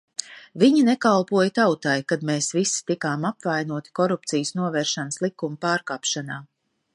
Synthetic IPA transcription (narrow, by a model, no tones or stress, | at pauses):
viɲinɛkalˠpuɔjt̪awt̪ajkad̪meːsvist̪ikaːmapvajnuɔt̪i̥kɔɾupt̪sijsnuɔvɛːɾʃanəslˠikumupaːɾkaːpʃanaː